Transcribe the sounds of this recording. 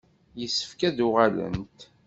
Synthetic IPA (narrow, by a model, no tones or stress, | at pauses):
jəsːə̥fkæðʊʁalə̰nt̪